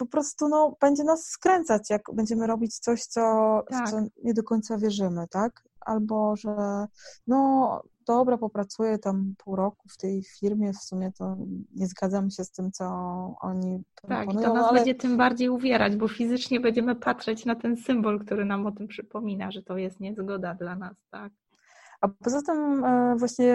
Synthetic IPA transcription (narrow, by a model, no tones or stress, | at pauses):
pɔpɾɔst̪unɔb̥ɛɲd͡ʑɛnasːkɾɛnt̪sat͡ɕjaɡbɛɲd͡ʑɛmɘɾɔbʲit͡ɕt̪sɔɕt̪sɔsɔɲɛd̪ɔkɔɲt̪savʲjɛʐɘmɘt̪ak | ʔa̰lbɔʐɛnɔ | d̪ɔbɾapɔpɾat̪sujɛt̪ampʰuwɾɔkuft̪ɛjfʲiɾmʲjɛfsumʲjɛt̪ɔɲɛzɡad̪zamɕɛst̪ɘmt̪sɔɔ̰ɲipɾɔa̰kpɔnuj̪ɔ̃nãalɛɲd͡ʑɛt̪ɘmbaɾd͡ʑejuvʲjɛɾad͡ʑbɔfʲizɘt͡ʂɲɛbɛɲd͡ʑɛmɘpat̪ʂɛt͡ɕnat̪ɛnsɘmbɔlkt̪uɾɘnamɔt̪ɘmpʂɘpɔmʲinaʐɛt̪ɔjɛst̪ɲɛzɡɔd̪ad̪lanast̪ak̚ | apɔzat̪ɘmvwaɕɲɛ